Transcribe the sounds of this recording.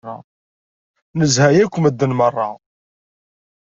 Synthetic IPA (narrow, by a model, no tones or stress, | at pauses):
ɑ̰ | nəzhæjækʷːməd̪ːənmərˤːɑ